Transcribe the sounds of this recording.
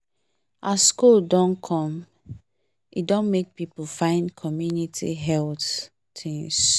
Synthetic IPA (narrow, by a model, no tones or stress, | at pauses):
ʔaskuldɔ̃nkʰɔ̃m | ʔidɔ̃nmek̚pipufãɪ̃ndkʰɔmjunitʰḭɦɛlt | tĩŋs